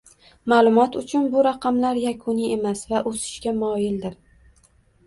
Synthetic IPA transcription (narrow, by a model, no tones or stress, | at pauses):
maːlˠʊmɒt̪ʊt͡ʃʰʊnbʊɾaqʰɑmlaɾjakʰʊnie̞masvaʔosɪ̥ʃkʲamɒjɪld̪ɪɾ